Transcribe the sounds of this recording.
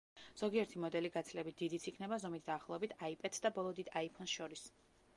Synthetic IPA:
z̥ɔɡiɛɾt̪ʰimɔd̪ɛliɡat̪sʰlɛbit̪̚d̪̥id̪it̪sʰikʰnɛbazɔmit̪̚ʰd̪aːχlˠɔɛbit̪ʰaipʼɛd̪̥sd̪abɔlˠɔd̪id̪aipʰɔnsʃɔɾis

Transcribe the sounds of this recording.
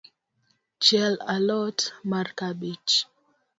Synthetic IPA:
t͡ʃɛlalɔtmarkabit͡ʃ

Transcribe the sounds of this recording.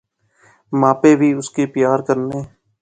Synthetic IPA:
mãːpeːbʱiːʊskeːpjaːɾkəɾneː

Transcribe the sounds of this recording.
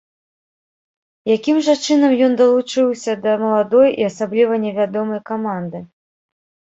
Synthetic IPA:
jakʲimʐɐt͡ʂɨnɐmjɔnd̪ɐlˠut͡ʂɨwsʲɐd̪ɐmɐlˠad̪ɔjiɐsablʲivɐnʲɛvʲad̪ɔmɐjkamand̪ɨ

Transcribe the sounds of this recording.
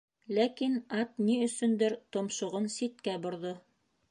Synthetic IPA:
lækinɑt̪niɵ̆sɵnd̪ɘɾt̪ŏmʃŏʁɤnsit̪̚kæbŏɾðo

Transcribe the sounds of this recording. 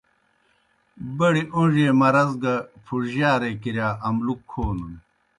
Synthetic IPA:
bɐɽiʔoʐeːmɐɾɐzɡɐpʰuɾʑaːɾekiɾjaːɐmlukʰːoːnun

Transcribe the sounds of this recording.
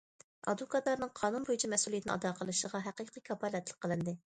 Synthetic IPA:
ɑ̰d̪ukʰɑt̪lˠɑɾnɨŋqʰɑːnunbojut͡ʃʰimɛsulˠijt̪ɪnɨ̰ʔɑ̰d̪ɑqʰəlˠɨʃəʁɑɦæqiqʰəkʲʰɑpɑlɛt̪ʰlˠəq̚qʰːəlˠɨnd̪ɨ

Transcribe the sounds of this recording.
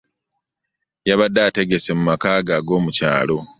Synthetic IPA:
jaβadaːte̞ɡe̞se̞mumakaːɡaːɡo̞ːmuca̰ːlo̞

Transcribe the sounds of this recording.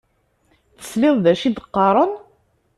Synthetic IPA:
θə̥slɪðˤðæʃid̪əqːɑɾˤən

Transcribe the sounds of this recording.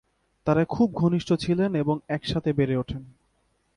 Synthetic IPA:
t̪aɾakʰub̚ɡʱoniʃʈʰot͡ɕʰileneboŋɛkʃat̪ʰebeɾeoʈʰen

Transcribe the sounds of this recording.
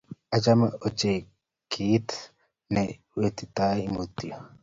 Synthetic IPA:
ʔɐt͡ʃɐmɐɔt͡ʃːeː | kʰiːt̪ | nɛ | weːt̪ːɪt̪ːaːɪmoːt̪ːɪɐ

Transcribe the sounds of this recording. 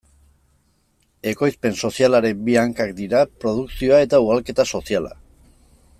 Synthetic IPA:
e̞ko̞jspe̞nso̞sialaɾe̞biaŋkakd̪iɾapɾo̞ð̞uksio̞ae̞t̪auɣalke̞t̪aso̞siala̰

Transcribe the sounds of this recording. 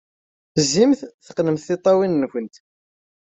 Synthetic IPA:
θəzːimθθə̥qnəmθθɪt̪ˤːɑwinːçənt̪

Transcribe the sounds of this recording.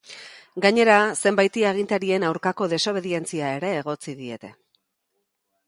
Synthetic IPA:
ɡaɲe̞ɾase̞mbajt̪iaɣ̞int̪aɾie̞nawɾkako̞ðe̞so̞β̞e̞ðie̞nt͡siae̞ɾe̞ːɣ̞o̞t͡siðie̞̰t̪e̞

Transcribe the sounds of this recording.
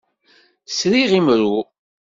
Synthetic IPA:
sɾiʁimɾu

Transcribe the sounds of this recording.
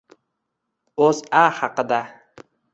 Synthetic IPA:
ozahɑqɨd̪a

